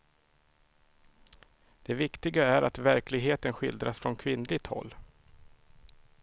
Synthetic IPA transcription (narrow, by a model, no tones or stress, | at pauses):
d̪̥ɛvɪkt̪ɪɡaæɾʔa̰t̪væɾklɪɡɦeːt̪ənɧɪ̰ld̪ɾasfɾɔnkʰvɪnlɪɡ̚t̪hɔ̰lː